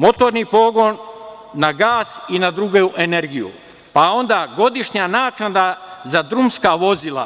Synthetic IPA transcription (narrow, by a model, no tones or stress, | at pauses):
mo̞t̪o̞ɾnipo̞ːɡo̞nː | aɡaːsinad̪ɾuɡeuʔene̞ɾɡijṵ | pao̞nd̪aɡo̞d̪iʃɲanaːknad̪azad̪ɾumskaʋo̞zilˠa̰